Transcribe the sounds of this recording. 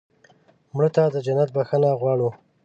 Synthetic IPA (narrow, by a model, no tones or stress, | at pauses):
mɽət̪ad̪əd͡ʒanat̪̚baxənaɣwɑɽu